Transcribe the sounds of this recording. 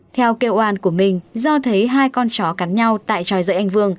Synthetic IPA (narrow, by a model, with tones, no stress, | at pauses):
t̪ʰɛ˧wke˧wʔwaː˧˩nku˧˩əmï˨˩ŋ̟zɔ˧t̪ʰə˨˦jɦaː˧jkɔ˧nt͡ɕɔ˨˦ka˨˦nɲa˧wt̪a̰ː˧˨jt͡ɕɔ˨˩jzə̰ː˧˦jʔa˧jŋ̟vɨ˧əŋ